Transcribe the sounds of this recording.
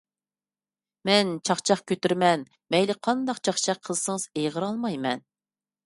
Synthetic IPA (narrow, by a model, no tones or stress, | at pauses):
mɛnt͡ʃʰɑχt͡ʃʰɑχkʲʰøt̪yɾmɛn | mɛjlɪqʰɑnd̪ɑqt͡ʃʰɑχt͡ʃʰɑqʰːəlsəŋəz̥ejʁəɾɑlˠmɑjmɛn